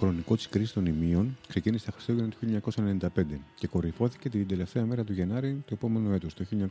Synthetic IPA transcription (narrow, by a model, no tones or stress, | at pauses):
xɾo̞niko̞t̪i̥skɾisi̥st̪o̞nimio̞nkse̞ciniset̪ɐxɾi̥st̪oʝenɐt̪o̥çilːjɲɐko̞sɐenenind̪ɐpe̞nd̪e̞ce̞ko̞ɾifo̞θi̥ce̞t̪ind̪e̞le̞ft̪e̞ɐme̞ɾɐt̪uʝenɐɾit̪ue̞po̞me̞nue̞t̪ost̪oçiloɲɐ